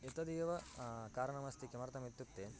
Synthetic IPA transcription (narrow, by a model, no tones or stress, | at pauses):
it̪ɐd̪ijɐʋɐkaːɾɐɳɐmɐst̪ikemɐɾt̪ɐmit̪ːuk̚t̪eːn